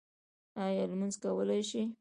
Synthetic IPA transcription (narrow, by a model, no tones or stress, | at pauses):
ɑjɑlmanzkawəlajʃi